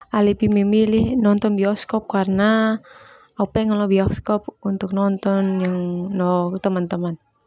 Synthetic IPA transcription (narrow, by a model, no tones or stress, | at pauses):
ʔalipimimilihnɔnt̪ɔnbiɔskɔp̚karəna | apɛŋalɔbiɔskɔp̚unt̪uk̚nɔnt̪ɔnjaŋnɔt̪əmant̪əman